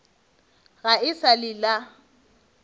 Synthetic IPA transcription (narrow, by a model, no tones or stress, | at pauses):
ɣaɪsalɪla